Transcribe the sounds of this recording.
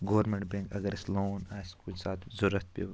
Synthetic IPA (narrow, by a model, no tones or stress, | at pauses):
ɡoːɾmeɳʈ̚bẽŋkɐɡɐɾɪsloːnaːskunsaːt̪ʰzuɾɐt̪̚ʰpḭ